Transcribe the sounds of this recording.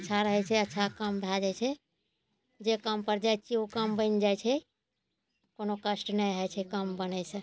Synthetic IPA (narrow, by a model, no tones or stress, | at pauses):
tːt͡ʃʰaɾəɦɛt͡ʃʰɛətːʃʰakəmbʱad͡ʒat͡ʃʰɛ | d͡ʒekəmpəɾd͡ʒajt͡ʃiukəmbə̃nd͡ʒaːɛt͡ʃʰɛ | konokəsʈnəjɦɛt͡ʃʰɛkəmbənɛse